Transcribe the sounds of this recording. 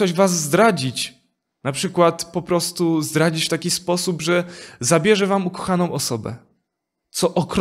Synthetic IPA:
ɔʑvazːd̪ɾad͡ʑit͡ɕ | napʂɘkwat̪pɔpɾɔst̪uzd̪ɾad͡ʑit͡ɕft̪akʲispɔsubʐɛzabʲjɛʐɛvamukɔ̥xanɔ̃w̃ɔsɔbɛ̰ | t̪sɔʔɔkɾ

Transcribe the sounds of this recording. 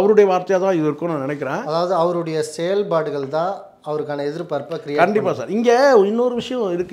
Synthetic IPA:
ɐʋɐɾɯɽɐjɐʋaːɾt̪ɐjaːt̪ãːɪðɯɪɾɯkːʊ̃naːnɪnɛk̬ːɪɾẽːɐðaːʋɐðɯɐʋɐɾɯɽɐjɐsɛjɐlbaːɽɯɣɐɭt̪ãː | ɐʋɐɾɯkːaːnɐɛðɪɾpɐɾpːɐkɪɾɪjakːɐɳɖɪpːaːsa̰ːɾɪŋɡeːɪnːoːɾɯʋɪʂɐjɔ̃ɪɾɯkː

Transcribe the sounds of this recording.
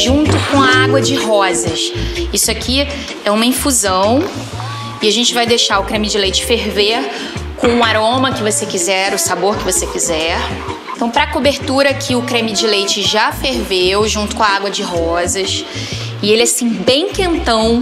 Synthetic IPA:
ʒũnt̪ʊkõɐaɡwɐd͡ʒɪɦɔzɐsisʊakʰi | ɛũmɐĩfuzɐ̃w̃ | ɪaʒẽnt͡ʃɪvajd̪eʃaʊkɾẽmɪd͡ʒɪlejt͡ʃɪ̥feɾveɾ | kõw̃ũaɾõmɐkɪvosekizɛɾʊsaboɾkɪvosekizɛɾ | ẽt̪ɐ̃w̃pɾɐkobeɾt̪uɾɐkʰɪʊkɾẽmɪd͡ʒɪlejt͡ʃɪʒafeɾvewʒũnt̪ʊ̥kõɐaɡwɐd͡ʒɪɦɔzɐs | ɪelɪasĩbẽj̃kẽnt̪ɐ̃w̃

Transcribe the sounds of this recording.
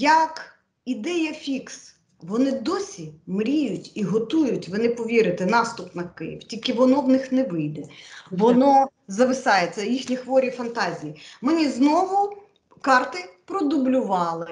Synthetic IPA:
jɐk | id̪ɛjɐfʲiks | ʋɔnɪd̪ɔsʲimɾʲijʊtʲiɦɔt̪ujʊtʲʋɪnɪpɔʋʲiɾɪt̪ɛnɑst̪ʊpnɐkɪ̰jḭwtʲilʲkɪʋɔnɔwnɪxnɛʋɪjd̪ɛʋɔnɔ | zɐʋɪsɑjet͡sʲːɐjixnʲixʋɔɾʲifɐnt̪ɑzʲijimɪnʲiznɔʋʊ | kɑrt̪ɪpɾɔd̪ʊblʲʊʋɑlˠɪ

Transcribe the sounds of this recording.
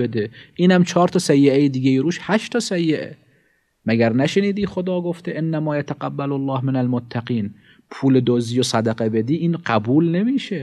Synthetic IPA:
ed̪eʔiːnæmt͡ʃʰɒːɾt̪ʰɒsæjːeejid̪iːɡʲejiɾuːʃhæʃt̪ʰɒsæjːeʔḛ | mæɡæɾnæʃeniːd̪iːχod̪ɒːɡoft̪eʔenːæmɒːjæt̪ʰæɡæbːælolːɑːhmenælmot̪ʰːæqiːn | pʰuːled̪oːziːjosæd̪æqebe̞d̪iːʔiːnɢæbuːlne̞miːʃe

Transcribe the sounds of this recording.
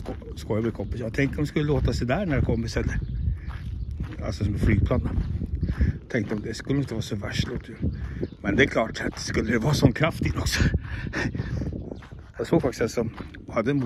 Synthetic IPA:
skojabɪkʰɔmpːɪsjɑːɡt̪ʰɛŋkt̪əɾhɔmskɵlːəloːt̪asɛd̪æɳæɖɛkʰɔmpːɪsɛl | a̰lsɔsɔmɛflyːɡ̪̚pʰlɑnːa | t̪ʰɛŋkt̪əɔmd̪ɛskɵlːɪnt̪əvɑːsɔvæʂloːt̪ʰːjʉmɛnd̪ɛæɾkʰlɑːʈat̪̚d̪ɛskɵlːəʉvɑːsɔnːkʰɾaft̪ɪlɔksɔ̥ | jɑːɡsoːɡfak̚t̪ɪsalsɔ | ɔhad̪ːəɛn

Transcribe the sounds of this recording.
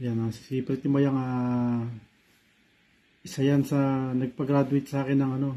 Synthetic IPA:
janassiːpɾɛt̪ɪmajaŋa | ʔɪsajansɐnɐɡ̚pɐɡɾaːd̪ʊɪt̪̚sɐaːkɪnːɐŋɐno̞

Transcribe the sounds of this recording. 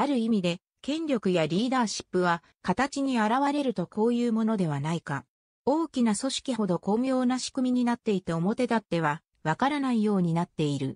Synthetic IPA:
aɾɯ̟imʲid̪e̞ | kẽ̞nɾʲo̞kɯ̟jaɾʲiːd̪aːɕi̥pːɯ̟β̞a | kat̪at͡ɕiɲ̟iaɾaβaɾe̞ɾɯ̟t̪o̞ko̞ːjɯːmo̞no̞d̪e̞βanaika | o̞ːkʲinaso̞ɕi̥kʲiɦo̞d̪o̞ko̞mʲjo̞ːnaɕi̥kɯ̟mʲiɲ̟inat̪ːe̞it̪ao̞mo̞t̪e̞t̪at̪ːe̞β̞a | βakaɾanaijo̞ːɲ̟inat̪ːe̞iɾɯ̟̰

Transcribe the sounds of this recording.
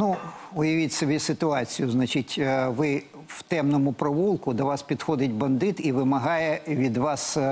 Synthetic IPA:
nuʊjɐʋʲitʲsɔbʲisɪt̪ʊɑt͡sʲijʊznɐt͡ʃitʲʋɪ | wt̪ɛmnɔmʊpɾɔʋulˠkʊd̪ɔʋɑspʲid̪xɔd̪ɪtʲbɐnd̪ɪt̪iʋɪmɐɦɑjɛʋʲid̪ʋɑs

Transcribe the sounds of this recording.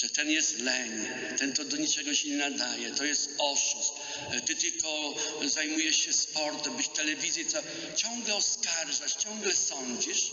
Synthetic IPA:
ʐɛt̪ɛnjɛst̪lɛɲ | t̪ɛnt̪ɔd̪ɔɲit͡ʂɛɡɔɕɛɲɛnad̪ajɛt̪ɔjɛst̪ɔʂust̪ | t̪ɨt̪ɘlkɔzajmujɛʂɕɛspɔɾt̪ɛmbʲiʃt̪ɛlɛvʲizjɛt̪sɔ | t͡ɕɔ̃ŋɡlɛɔskaɾʐat͡ɕt͡ɕɔ̃ŋɡlɛsɔɲd͡ʑiʂ

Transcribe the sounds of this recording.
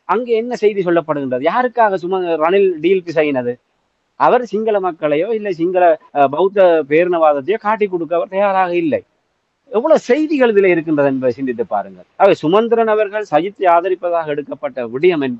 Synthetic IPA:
ʔɐŋɡeːɛnːɐsɛjðisɔlːɐpːɐɽɯɣɪndrɐðɯjaːɾɯkːaːɣɐsʊmɐɾɐnɪlɖiːlkːɯs̬ɛjɣɪnɐðɯ | ʔɐʋɐɾsɪŋɡɐɭɐmɐkːɐɭɐjoːɪlːɐɪs̬ɪŋɡɐɭɐbɐɯt̪ːɐpeːɾɯnɐʋaːðɐt̪̬ːɐjoːkaːʈːik̬ːɔɽɯk̬ːɐɐʋɐɾt̪ɐjaːɾaːɣɐɪlːɐɪ | ɛʋːɔɭoːsɛjðɪɣɐɭɯðɪleːɪɾɯk̬ːɪndrɐðɯɛnbɐðɯsɪnd̪ɪt̪ːɯpːa̰ːɾɯŋɡɐɭɐʋɐsʊmɐnd̪ɪɾɐnɐʋɐɾɣɐɭsɐjɪt̪ːɯaːðɐɾɪpːɐðaːɣɐɛɽɯkːɐpːɐʈːɐʋɪɽɐjɐmɛnb

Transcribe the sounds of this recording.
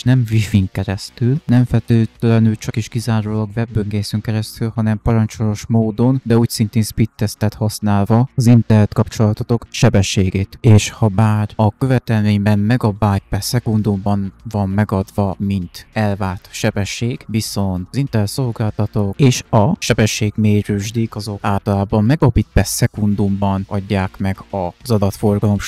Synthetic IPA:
ʃnɛmvifiŋkɛɾɛst̪ylnɛɱfɛt̪øːt̪lɛnylt͡ʃɒkiʃkizaːɾoːlɒkvɛbːøŋɡeːsyŋkɛɾɛst̪ylhɒnɛmpɒɾɒnt͡ʃolo̞ʃmoːd̪o̞nd̪ɛuːcsint̪eːnspit̪ːɛst̪ɛt̪hɒsnaːlvɒɒzint̪ɛlːɛt̪kɒpt͡ʃo̞lɒt̪ot̪o̞kʃɛbɛʃeːɡeːt̪eːʃhɒbaːrɒkø̞vɛt̪ɛlmeːɲbɛmmɛɡɒbaːt̪̚pɛsɛkund̪umbɒnvɒmːɛɡɒd̪vɒmint̪ɛlvaːt̪ʃɛbɛʃːeːɡ̥viso̞nt̪zint̪ɛrɛt̪so̞lɡaːlt̪ɒt̪o̞keːʃɒʃɛbɛʃːeːɡmeːryʒd̪ikɒzo̞kaːlt̪ɒlaːbɒmmɛɡɒbit̪̚pɛsɛkund̪umbɒnɒɟːaːkmɛɡ̥ɒzɒd̪ɒt̪fo̞rɡɒlo̞m

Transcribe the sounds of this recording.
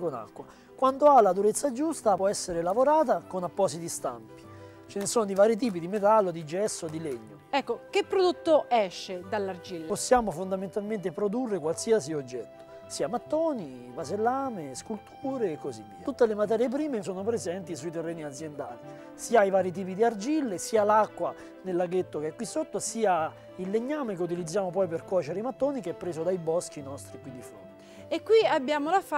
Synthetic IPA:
kona̰kːwa | kwand̪oalad̪uɾet̪sːad͡ʒust̪apwɔɛsːeɾelavoɾaːt̪akonapːɔːsit̪ist̪a̰mpi̥ | t͡ʃenesoːnod̪ivaːɾit̪̬iːp̬id̪imet̪̬alːod̪id͡ʒɛsːod̪ileɲːoɛkːokepːɾod̪ot̪ːoɛʃːed̪alːard͡ʒilposːjaːmofond̪ament̪alment̪̬epɾod̪urːekwalsiːasiod͡ʒːɛt̪ːo̥ | siːamat̪ːɔːni | vazelːaːmeskult̪ʰuːɾeːkːozivːḭːatut̪ːelemat̪̬ɛːɾjep̬ɾiːmesoːnopɾezɛnt̪isuit̪erːeːniad̪zjend̪a̰ːli | siːaivaːɾit̪̬iːp̬id̪iard͡ʒilːesiːalakːwa | nelːaɡet̪ːokeɛkːwisːot̪ːosiːa | ilːeɲːaːmek̬eut̪̬ilid̪zːjaːmopɔjperkɔt͡ʃeɾeimat̪ːoːnikeɛpːɾeːzod̪ajbɔsk̟inɔst̪ɾikwind̪ifo̰nt̪e̥ | ekwiabjaːmolaf

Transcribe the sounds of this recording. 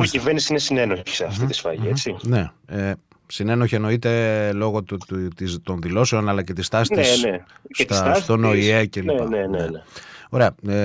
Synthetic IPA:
civeɾnisinesineno̞çi̥seɐft̪it̪i̥sfɐ̰ʝḭet͡sine̞e | sine̞no̞çeno̞it̪e̞lo̞ɣo̞t̪it̪o̞nðilo̞se̞o̞nɐlɐce̞t̪ist̪ɐsneeneset̪sst̪o̞noiecelieneneneo̞ɾe̞ɐe

